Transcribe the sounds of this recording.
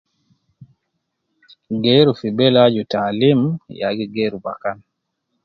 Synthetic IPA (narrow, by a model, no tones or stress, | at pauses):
ɡɛːɾufibɛlad͡ʒutaːlimja̰ɡiɡeːɾubakan